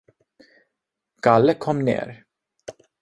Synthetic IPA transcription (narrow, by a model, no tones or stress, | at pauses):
ɡ̥alːəkʰɔmːnḛːɾ